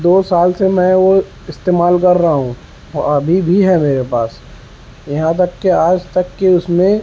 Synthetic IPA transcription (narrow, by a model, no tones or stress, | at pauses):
d̪oːsaːlsemɛ̃ʋo | ɪst̪eːmaːlkɐɾːaɦaɦũ | ɔ̰ɐbʱibʱiɦɛmeːɾepaːs | jɐɦãt̪̬ɐkːeaːd͡ʒt̪ɐkːeʊsmẽ